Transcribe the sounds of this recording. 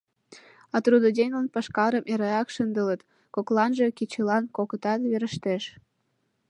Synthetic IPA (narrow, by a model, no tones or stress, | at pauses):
ɑt̪rud̪odʲenʲlonpɑʃkɑɾəmʔeɾɑɑkʃənd̪ələt̪ | koklɑnʒe̽kit͡ɕəlɑnkokət̪ɑt̪βeɾəʃt̪eʃ